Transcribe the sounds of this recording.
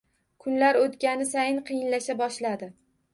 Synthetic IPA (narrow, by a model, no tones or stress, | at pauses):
kʰʊnlaɾot̪kʲanɪsajɪnqʰɨjɪnlaʃabɒʃlad̪ɪ